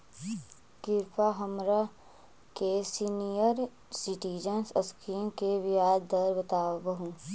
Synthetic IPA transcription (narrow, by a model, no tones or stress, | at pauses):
kɪɾpʰaɦəmɾa | kesinijəɾ | sɪʈiːd͡ʒənsəskiːmkeʋijaːd̪əɾbət̪aːʋbɐɦũː